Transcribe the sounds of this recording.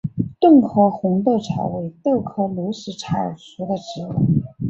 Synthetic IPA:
t̪ʊ˥˩ŋkʰɤ˧˥xʊ˧˥ŋt̪ɤ˥˧˩ʈ͡ʂʰa̰˧˥ɪwe˧˥ɪt̪ɤ˥˩ʊkʰɤ˥lu˧˥ʂɻ̩˧˩ʈ͡ʂʰa̰˥˩˨ʂu˧˥d̪ə˨˧ʈ͡ʂɻ̩˧˥wṵ˨˥˩

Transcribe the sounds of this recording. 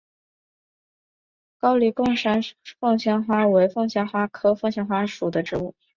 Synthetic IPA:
kɑ˥ʊli˨˩kʊ˥˩˧ŋʂa˥nfɤ˥˩ŋɕjɛ˥nxwa˥we˧˥ɪfɤ˥˩ŋɕjɛ˥nxwa˥kʰɤ˥fɤ˥˧ŋɕjɛ˥nxwa˥ʂu˨˩d̪ə˦ʈ͡ʂɻ̩˧˥u˥˩

